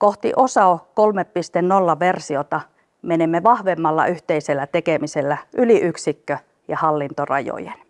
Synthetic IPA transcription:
koht̪ḭʔosɑokolmeppist̪ennolːɑʋersiot̪ɑ | menemːeʋɑhʋemːɑlːɑ̰ʔyht̪eiselːæt̪ekemiselːæʔyliʔyksikːø | jɑhɑlːint̪orɑ̰jo̰jḛn

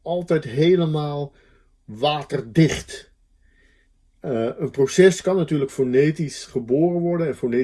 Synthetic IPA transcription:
ɑlˠtɛjtɦejləmaːlˠ | ʋaːtərdɪχt | ənprosɛskɑnːatyːɹləkfonejtisχəboːrənʋɔɹdənɛnfone

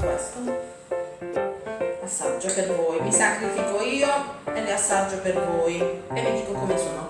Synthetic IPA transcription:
a̰st̪on | asːa̰d͡ʒːopervoːjmisakɾifikoiːoeliasːad͡ʒːopervoːjemːid̪iːkokomesoːno

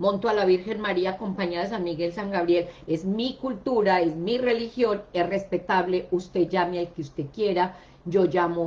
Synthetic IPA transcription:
mõnt̪oalaβiɾxe̞nmaɾiako̞mpaɲaðaes̬anmiɣe̞lsaŋɡaβɾje̞le̞zmikult̪uɾaezmire̞lixjo̞nesre̞spe̞t̪aβle̞ust̪e̞d͡ʒamealkeust̪e̞kje̞ɾa | d͡ʒo̞d͡ʒamo

